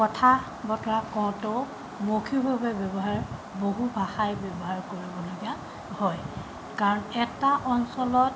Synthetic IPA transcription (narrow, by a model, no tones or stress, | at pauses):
kɔtʰa | bɔtɔɹakɔw̃tʊ | mokʰibʱabɛbɔbɔɦaɹ | boɦubʱaxajbɔbɔɦaɹkoɹibɔloɡia | hɔj | kaɹɔnɛtaʔɔnsɔlɔt